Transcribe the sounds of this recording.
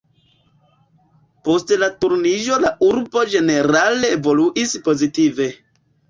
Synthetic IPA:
po̞stlatuɾnid͡ʒo̞laʔuɾbo̞d͡ʒe̞ne̞ɾale̞ːvo̞luʔispo̞zitive̞

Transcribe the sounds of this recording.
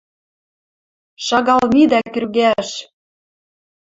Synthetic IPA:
ʃɑɣɑlnid̪æky̆rɣæʃ

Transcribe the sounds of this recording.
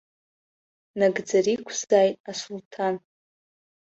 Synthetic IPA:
naɡd͡zaɾikʷʰzaːjtʼasultʰan

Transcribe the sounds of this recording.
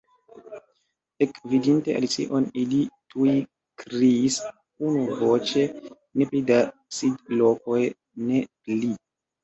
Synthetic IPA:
ekvidintḛʔa̰lit͡sḭʔo̞nilituji | kɾiis | unuvot͡ʃe̞ | ne̞plidasidlo̞ko̞j | ne̞pli

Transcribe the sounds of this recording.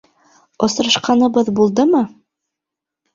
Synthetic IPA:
ŏsɾɤ̆ʃqɑnɤ̆βɤðbulˠd̪ɤmɤ

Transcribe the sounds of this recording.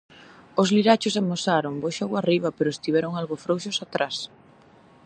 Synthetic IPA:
ʊzliɾat͡ʃʊs̬amosaɾoŋboʃawariβɐpeɾʊest̪iβɛɾʊŋalɣofɾowʃʊsat̪ɾas

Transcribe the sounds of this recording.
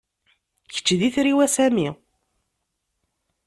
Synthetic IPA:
çə̥t͡ʃːðiθɾiwæsæmi

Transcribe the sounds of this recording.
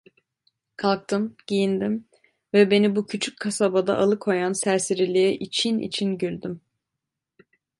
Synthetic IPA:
kʰalˠk̚t̪ʰɯmɟ̥ijind̪im | vɛbe̞nibucʰyt͡ʃʰyc̚kʰːasabad̪a̰ʔalˠɯkʰo̞jansæɾsiɾilʲijɛʔit͡ʃʰinḭt͡ʃʰinɟylʲd̪ym

